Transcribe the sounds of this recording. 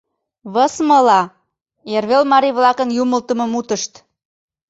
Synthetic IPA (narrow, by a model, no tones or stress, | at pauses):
βəsmə̆lɑ | erβelmɑɾiβlɑkənjuməlt̪ə̆mɤ̆mut̪əʃt̪